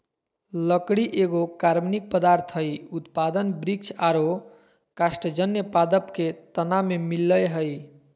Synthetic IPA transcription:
ləkɽiʔeɡokaɾmnik̚pəd̪aɾt̪ʰɦəjut̪pad̪ənbɾik̚t͡ʃʰaɾo | kasʈəd͡ʒənjəpad̪əpket̪ənamemilːəjɦəj

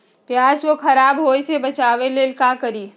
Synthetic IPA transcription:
pjaːswokʰɐɾaːbɦoːisebɐt͡ʃaːʋelelkãkəɾiː

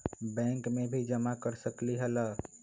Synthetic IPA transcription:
bɛ̃ŋkmebʱid͡ʒəmakəɾsəkliɦɛlə

